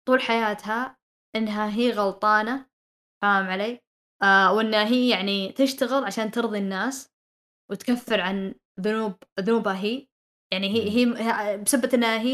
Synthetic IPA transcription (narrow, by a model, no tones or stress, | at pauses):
t̪ˤuːlħajaːt̪ha | ʔɪnːɦaɦiːɣɑlt̪ˤɑːna | faːmʕaleː | wɪnːaɦiːjaʕnit̪ɪʃt̪aɣɪlʕaʃaːnt̪ɨɾðˤinːaːs | wɪt̪kafːɪɾʕan | ðʊnuːb̚ðʊnuːbhaɦiː | jaʕniɦiɦiːbɪsabːat̪nːaːɦi